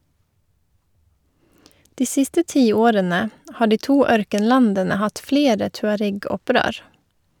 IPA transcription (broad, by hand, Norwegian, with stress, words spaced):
ˈdiː ˈsɪstə ˈtiːˌoːɾənə ˈhɑː ˈɖiː ˈtuː ˈœɾkənˌlɑndənə ˈhɑt ˈfleːɾə tʉɑˈɾɛɡɔˌpɾøːɾ